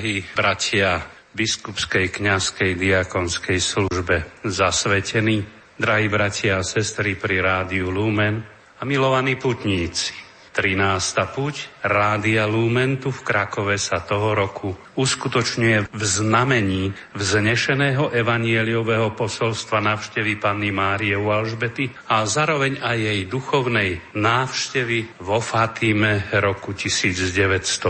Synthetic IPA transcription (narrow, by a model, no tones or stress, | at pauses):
ɦiːbɾacʰɪa | biskupskɛjkɲaskɛjd̪iakɔnskɛjsluʒbɛzasʋɛcɛni | d̪ɾaɦiːbɾacɪaːsɛst̪ɾipɾiɾaːd̪iulumɛn | amilɔʋaniput̪ɲiːt͡si̥ | t̪ɾinaːst̪apucɾaːd̪ialuːmɛnt̪ufkɾakɔʋɛsat̪ɔɦɔɾɔkʰu | uskut̪ɔt͡ʃɲujɛvznamɛɲiː | vzɲɛʃɛnɛːɦɔʔɛʋaɲɪɪɛliɔʋɛɦɔpɔsɔlst̪ʋanaːʊʃcɛʋipanːimaːɾiɛalʒbɛt̪i | azaːɾɔʋɛɲajːɛjd̪uxɔʊnɛjnaːʊʃcɛʋiʋɔfaːt̪imɛɾɔkucisiːd͡zɟɛʋɛcst̪ɔ